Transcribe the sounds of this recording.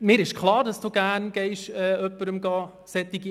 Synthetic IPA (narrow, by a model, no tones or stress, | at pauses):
mɪːɾɪʃkʰlˠɑːɾd̥ɑsd̥uːɡ̥æːnɡ̥ɛɪʃɛːœpːəɾəmɡɑː | sɛt̪ːɪɡi